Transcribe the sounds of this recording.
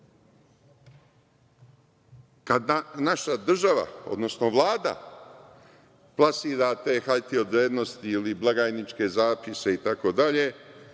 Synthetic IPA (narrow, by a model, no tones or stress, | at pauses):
kad̪anaʃad̪r̩ʒaʋa̰o̞̰d̪no̞snoʋlˠaːd̪a̰ | plˠasiːɾat̪e̞xaʎt̪io̞d̪ɾeːd̪no̞st̪iiliblˠaɡaːjnit͡ʂke̞zaːpise̞it̪ako̞d̪aʎe̞